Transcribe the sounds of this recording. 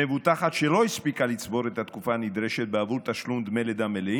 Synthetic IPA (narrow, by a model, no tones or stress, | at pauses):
evut̪aχat̪ʃelo̞ispikalit͡sbo̞ɾet̪at̪kufanid̪ɾeʃet̪̚beavult̪aʃlumd̪meled̪amele